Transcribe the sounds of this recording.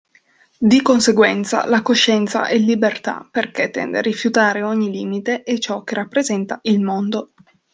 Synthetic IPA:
d̪ikonseɡwɛnt̪sa̰lakoʃːɛnt̪sa̰ʔɛlːibert̪a̰perket̪ːɛ̰nd̪ḛrifjut̪aːɾeoɲːiliːmit̪eʔet͡ʃɔk̟ːerːapːɾezɛnt̪aʔilmond̪o

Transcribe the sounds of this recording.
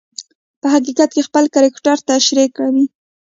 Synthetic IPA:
pəɦaqiqat̪kexpəlkaɾɪkʈaɾt̪aʃɾekawi

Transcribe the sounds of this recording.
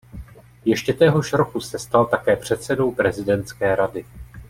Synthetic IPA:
jɛʃcɛt̪ɛɦo̞ʃɾo̞kusɛst̪alt̪akɛːpr̝̥ɛt̪sɛdo̞wpɾɛzɪdɛnt̪t͡skɛːɾadɪ

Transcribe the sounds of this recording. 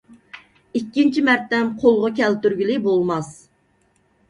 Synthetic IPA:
ikʲːint͡ʃʰimæɾt̪ːɛmqʰolˠʁɑkʲʰɛlt̪yɾɡʲilɪbolˠmɑs

